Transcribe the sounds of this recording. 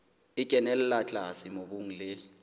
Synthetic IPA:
ikʼɛnɛlɛlat͡ɬʼasimoɓuŋ̩lɛ

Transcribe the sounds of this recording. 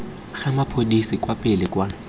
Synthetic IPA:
ɣamapʰodisɪkʼwapʼɪlɪkʼwa

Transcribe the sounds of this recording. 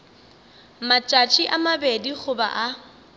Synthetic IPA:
mat͡ʃʼat͡ʃʼiʔamabediχʊba̰ʔa

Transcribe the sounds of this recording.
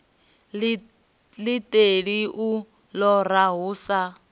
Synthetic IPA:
litʼeɺiʔu | lɔraɦuːsa

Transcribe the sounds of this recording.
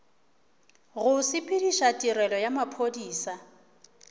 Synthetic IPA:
ɣʊsɪpʼɪdiʃatʼiɾɛlɔjamapʰodiːsa

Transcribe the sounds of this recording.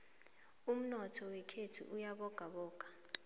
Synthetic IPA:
um̩nɔtʰɔwɛkʰetʰṵʔujaɓɔɡ̥ʱaɓɔːɡ̥ʱḁ

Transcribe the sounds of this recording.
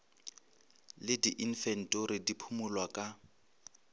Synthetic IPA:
lɪdiʔin̩fɛn̩tʼɔɾidipʰumʊlwakʼa

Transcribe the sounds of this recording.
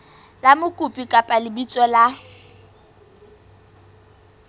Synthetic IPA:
lamʊkʼupʼikʼapʼalɪbit͡sʼɔla

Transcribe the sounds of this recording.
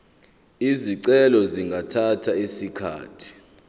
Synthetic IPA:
iziǀɛlɔziŋɡʱatʰatʰaisikʰa̰ːtʰi̥

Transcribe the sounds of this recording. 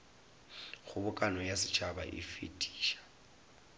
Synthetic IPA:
ɣʊbʊkʼanɔjasɪ̥t͡ʃʰaba̰ʔɪ̰fḭtʼi̥ːʃḁ

